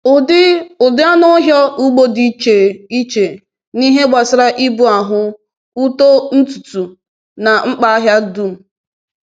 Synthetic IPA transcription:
ʊ˨dɪ˦ʊ˨dɪ˦a˦nɔ˦ɦjɔ˦u˦ɡ͡bo˦di˨˦t͡ʃe˨i˦t͡ʃe˨ | ni˦ɦe˦ɡ͡ba˨sɪ˦ɾa˦ʔi˦bu˨a˨ɦʊ˦ | u˦to˦n̩˦tu˨tu˨ | na˨ŋ͡m̩˦k͡pa˦a˦ɦja˦du˦˨m̩˨

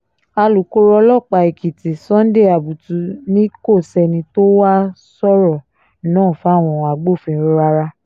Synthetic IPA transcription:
a˧lu˨˦ko˦ɾɔ˧˦lɔ˦˨k͡pa˧˨i˨ki˨ti˨sɔ̃˦n̩˦de˦˨a˨bu˨tu˨˧˦nĩ˦ko˦˨sɛ˧nĩ˧to˦wa˦ | sɔ˦ɾɔ˦˨ | nãː˦˨fa˨˦˨w̃ɔ̃˧˨a˨ɡ͡bo˦˨fĩ˧˨˧ɾa˧ɾa˧

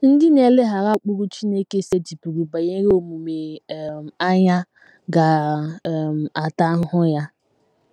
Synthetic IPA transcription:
n̩˦dɪ˦n˦e˨lɪ˦ɦa˨ɾa˦˨k͡pu˦ɾu˦t͡ʃi˦ne˦ke˦se˦d͡ʒi˨pu˨ɾu˨ba˨ɲe˦ɾo˨mu˨me˨m˨a˦ɲa˦ | ɡa˨ | m̩˨a˨ta˦ɦ̩˦ɦʊ˦ja˦

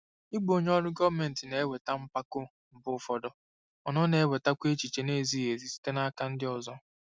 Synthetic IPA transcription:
ɪ˦ɡ͡bo˨ɲ˦ɔ˦ɾʊ˦ɡɔ˦me˨n̩˨tɪ˨ne˨e˦we˨ta˦m̩˦pa˦kʊ˦ | m̩˨bʊ˦fɔ˦dɔ˦ | ɔ˨nɔ˦ne˨e˦we˨ta˦kʷe˦t͡ʃi˨t͡ʃe˨ne˦˨zi˦ɦe˨zi˨˦si̥˦te˦na˦ka˦n̩˦dɪ˦ɔ˨zɔ˦

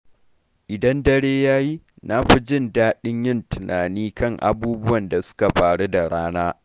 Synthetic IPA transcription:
ʔɪ˨dɐ˦ndɐ˦ɽeː˦jaː˦ji˦ | na˦ɸi˦d͡ʒɪ˦˨ndaː˦ɗɪ˦ɲjɪ˦ntɪ˨nʔaː˨niː˦kɐ˦˨ŋʔa̰˨buː˦bʊ˦wɐ˨nda˨sʊ̥˦ka˨ɸaː˨ɽu˦da˨ɽaː˦naː˦

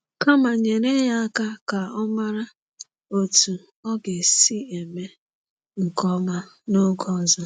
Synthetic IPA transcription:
ka˦ma˨ɲe˨ɾe˦ja˦ka˦ka˨ɔ˦ma˦ɾa˦ | o˨tu˨ | ɔ˦ɡe˨si˦e˨me˦ | ŋ̩˨kɔ˦ma˦ | no˦ɡɔ˦˨zɔ˦

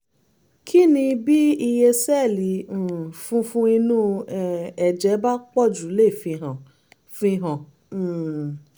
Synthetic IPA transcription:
kʰi˦nĩ˧bi˦i˧je˧sɛ˦˨lĩ˨˦˨fũ˦fũ˦i˧nũ˦ɛ˨ɛ˨d͡ʒɛ˨˦ba˦k͡pɔ˦˨d͡ʒu˨˦le˦˨fĩ˧ɦã˨ | fĩ˧ɦã˨

